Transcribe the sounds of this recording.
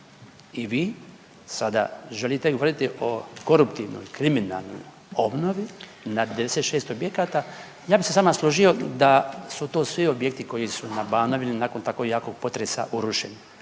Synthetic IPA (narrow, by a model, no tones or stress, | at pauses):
iʋiː | sad̪a̰ʒelit̪eɡo̞ʋo̞ɾit̪iʔo̞ko̞ɾupt̪iʋno̞̰jkɾimina̰lˠno̰j | o̞bno̞ʋi | nad̪eeset̪ʃeːst̪objekaːt̪a | jaːbisesaːmaslˠo̞ʒio̞d̪asut̪oːsʋio̞bjek̚t̪iko̞jisunabaːnoʋilinaːkont̪ako̞ɡjaːko̞ɡ̚po̞t̪ɾesa̰ʔuɾuʃeni